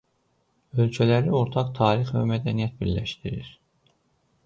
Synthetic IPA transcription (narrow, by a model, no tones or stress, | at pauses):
ølcʰælæɾio̞ɾt̪ʰɑqt̪ʰɑːɾixvæ̰mæd̪ænijæt̪̚biɾlæ̰ʃt̪iɾḭɾ̥